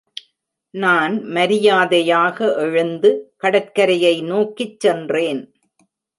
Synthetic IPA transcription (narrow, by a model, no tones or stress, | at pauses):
naːnmɐɾɪjaːðɐjaːɣɐʔɛɻɯnd̪ɯkɐɽɐt̚kɐɾɐjɐɪnoːkːɪt͡ʃːɛndreːn